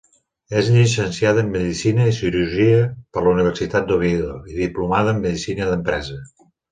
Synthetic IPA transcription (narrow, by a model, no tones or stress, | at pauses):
ezʎisənsiaðəːmːəðisinəisiɾuɾʒiəpəɾləuniβ̞əɾsit̪at̪̚d̪oβ̞iðoiðiplumaðəːmːəðisinəðəmpɾɛzə